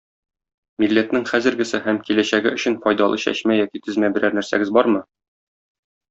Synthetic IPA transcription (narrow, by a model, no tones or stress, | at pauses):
milːæt̪nɘŋχæzɘ̆ɾɡɘ̆sɘhæmkilæɕæɡɘɵ̆ɕɘnfɒjd̪ɑlˠɤɕæ̰ɕmæjɒkit̪ɘ̆zmæbɘ̆ɾæɾnæɾsæ̰ɡɘzbɒɾmɤ